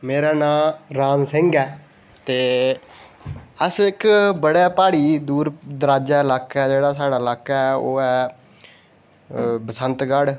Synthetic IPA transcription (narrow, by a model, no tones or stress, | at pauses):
meːɾaːnãːɾaːmsɪ̃ŋɡɛː | t̪eː | əsɪkbəɽaːpaːɽiːd̪uːɾd̪əɾaːd͡ʒaːɪlaːkaɛːd͡ʒeːɽaːsaːɽaːɪlaːkaɛːoːɛː | bəsənt̪ɡəɽ